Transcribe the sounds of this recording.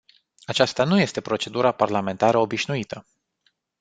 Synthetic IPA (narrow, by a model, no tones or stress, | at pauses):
at͡ʃast̪anuje̞st̪e̞pɾo̞t͡ʃe̞d̪uɾaparlame̞nt̪aɾəo̞biʃnuit̪ə